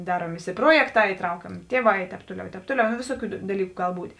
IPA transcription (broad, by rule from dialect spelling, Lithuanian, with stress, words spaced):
ˈdɑːruɔm ˈʋʲɪsʲɪ ˈpruɔjɛkˌtɑː iːˈtrɐʊkʲɛmʲeː ˈtʲiɛˌʋɑː ɪ ˈtʲɛːp ˈtuɔˌlʲɛʊ ɪ ˈtʲɛːp ˈtuɔˌlʲɛʊ noː ˈʋʲɪsoːˌkʲuː dɐˈlʲiːkʊ ˈɡɐlˠ ˈbuːtʲ